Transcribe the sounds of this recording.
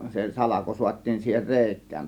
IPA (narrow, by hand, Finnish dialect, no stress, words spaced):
se sɑlɑko suɑtʲtiːn siːhen reˑikˑæːn